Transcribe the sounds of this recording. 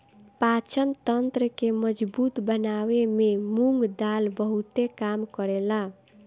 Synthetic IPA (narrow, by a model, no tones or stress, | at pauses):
pat͡ʃənt̪ənt̪ɾəkeməd͡ʒbut̪bənawememuŋɡd̪albəɦut̪ekamkəɾela